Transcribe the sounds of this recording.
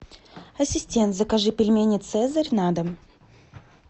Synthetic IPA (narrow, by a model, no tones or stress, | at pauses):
ɐsʲɪsʲtʲent̪zəkɐʐɨpʲɪlʲmʲenʲɪt̪sɛzəɾʲnad̪əm